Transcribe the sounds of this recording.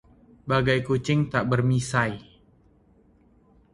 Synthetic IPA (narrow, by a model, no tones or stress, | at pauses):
baɡajkut͡ʃɪŋt̪aʔbərmisaj